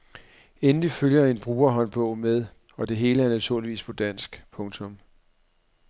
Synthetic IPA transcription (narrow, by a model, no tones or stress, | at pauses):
enliføljɐe̝nb̥ʁuːɐɦɒ̽nb̥ɔ̽ʊ̰með̞ˠ | ɒ̽d̥e̝ɦe̝ːləæɐnæt͡sʰuɐliʋḭːspʰɒ̽d̥æn̰sɡ̥pʰɔ̽ŋt͡sʰɔ̽m